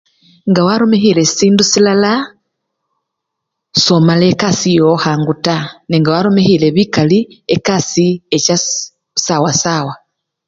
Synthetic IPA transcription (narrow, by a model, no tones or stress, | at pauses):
ŋɡawaɾomeɦilessiːndusilala | somale̞kasijohaːŋɡutaniŋɡawaɾomehile̞βikaliekasieca | sawasaːwa